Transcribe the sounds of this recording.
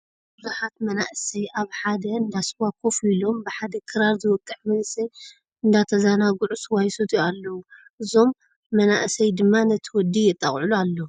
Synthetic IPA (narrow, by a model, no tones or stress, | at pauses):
bɨzuħat̪̚mɐnaʔsɐjʔaβħad̪ɐɨnd̪aswakʰofilo̞mbɨħad̪ɐkʰɨɾaɾzɨwɔkʼːɨħmɐnsɐj | ɨnd̪at̪ʰɐzanaɡuʕuswajsot̪ʰialːɐwu | ʔɨzo̞mː | ɐnaʔɨsɐjd̪ɨmːanɐt̪ʰɨwɔd̪ijɛt̪ʼːa̰χʼʕulualːɐ